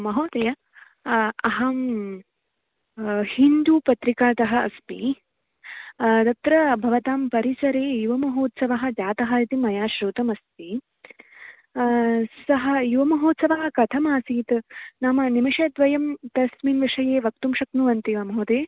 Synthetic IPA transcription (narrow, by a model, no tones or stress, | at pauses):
mɐɦoːt̪ejɐ | ɐɦɐm | hind̪uːpɐt̪ɾikaːt̪ɐɦɐ̆ɐspḭ | t̪ɐt̪ɾɐbʱɐʋɐt̪aːmpɐɾisɐɾeːjuʋɐmɐɦoːt̪sɐʋɐɦɐ̆d͡ʒaːt̪ɐɦɐjɐt̪imɐjaːʃɾuːt̪ɐmɐst̪i | sɐɦɐ̆juʋɐmɐɦoːt̪sɐʋɐɦɐ̆kɐt̪ʰɐmaːsiːt̪naːmɐnimiʂɐːd̪ʋɐjɐmt̪ɐsminʋiʂɐjeːʋɐk̚t̪umʃɐknuʋɐnt̪iʋɐmɐɦoːd̪eːj